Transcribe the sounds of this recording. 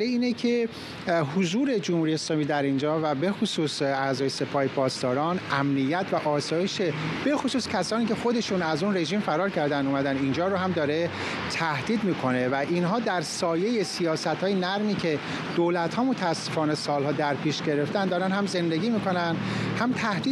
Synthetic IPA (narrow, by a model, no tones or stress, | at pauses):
ɾeiːnecʰe | ɦozuːɾe̞d͡ʒomhuɾieːslɒːmiːd̪æɾind͡ʒɒːvæbe̞xosuːsæzɒːjese̞pʰɒːhepʰɒːst̪ɒːɾɒːnʔæmnijːæt̪ʰvæʔɒːsɒːjeʃe̞b̥e̞xosuːscʲʰæsɒːniːcʰe̞xo̞d̪e̞ʃunæzunre̞ʒiːmfæɾɒːɾcʰæɾd̪ænd̪uːmæd̪ænind͡ʒɒːɾohæmd̪ɒːɾe | t̪ʰæhd̪̥iːd̪miːkʰo̞ne̞væʔinɦɒːd̪æɾsɒːje̞jesijɒːsæt̪hɒːjenæɾmiːcʰe̞ | d̪̥oːlæt̪hɒːmot̪ʰæːsːe̞fɒːne̞sɒːlhɒːd̪æɾpʰiːʃɟe̞ɾe̞ft̪ænd̪ɒːɾænhæmze̞nd̪e̞ɡʲiːmiːko̞nænhæmt̪ʰæhd̪iː